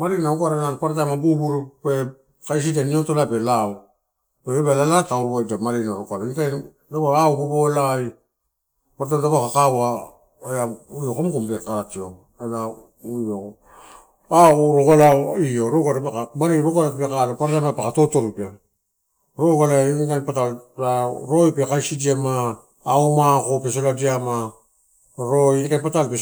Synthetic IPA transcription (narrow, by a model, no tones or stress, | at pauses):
maɾinaukaɾananpaɾtamabubuɾupe | kajs̬idaniotolapelaw | peebalalatauɾuadamaɾinaɾokaɾanita | dabaauɡubolaj | paɾtamdabakakawa | ajaujokomkumpetaɾatio | ela | ujoko | aɾokalaioɾoɡaɾapabaɾeɾoɡalapekalapaɾaamapekato̞to̞ɾupe | ɾoɡalaɡanpatalaɾo̞jpekajsidiamaː | omakopes̬oladiama | ɾojanpatalpe